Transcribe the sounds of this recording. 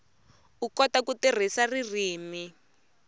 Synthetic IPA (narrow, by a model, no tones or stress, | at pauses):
ukɔtakutir̤isaririːmi